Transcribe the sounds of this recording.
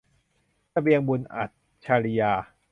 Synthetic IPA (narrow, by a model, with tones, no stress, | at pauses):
sa˧bi˧əŋbu˧nʔa̰˨˩t̪̚ | t͡ɕʰaː˧ɾi˧jaː˧